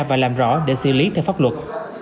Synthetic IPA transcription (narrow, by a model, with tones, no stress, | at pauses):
vaː˨˩laː˨˩mzɔ̰˧˥ɗe˧˩sɨ̰˧˨li˨˦t̪ʰɛ˧wfaː˦˥p̚wə˨˩t̚